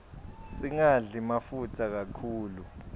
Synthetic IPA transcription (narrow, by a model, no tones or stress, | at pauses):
siŋaɮimafutʰak̬akʰuːlu